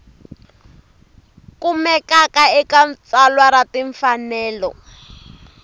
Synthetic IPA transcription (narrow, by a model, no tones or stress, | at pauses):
kumɛkakaɛkant͡salwaɾatiɱfanɛːlɔ̰